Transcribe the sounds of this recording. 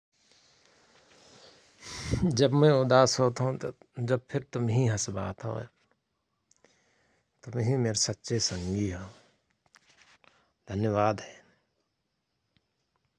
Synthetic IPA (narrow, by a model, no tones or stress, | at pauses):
d͡ʒɐbmẽʊd̪aːsɦoːt̪aɦũd͡ʒɐb̚pʰɪɾt̪ʊmɦiɦɐsbaːt̪ɦo̰ | t̪ʊmɦĩmeːɾesɐtːʃesə̃ŋɡiɦo | d̪ʱənjəʋaːd̪ɦɛː